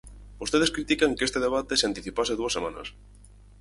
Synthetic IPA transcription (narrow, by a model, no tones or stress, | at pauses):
bost̪eðeskɾit̪ikaŋkest̪eðeβ̞at̪eseant̪iθipaseðuɐsːemãnɐ̰s